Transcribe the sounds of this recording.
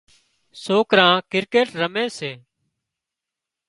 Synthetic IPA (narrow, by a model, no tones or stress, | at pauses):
soːkɾãːkɪɾkeːʈɾəmẽːseː